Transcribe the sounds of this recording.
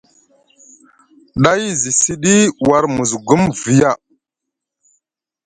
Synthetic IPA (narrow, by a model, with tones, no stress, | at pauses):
ɗa˦jzi˨si˦ɗi˦wa˨ɾmu˨zɡu˦mvi˨ja˦˨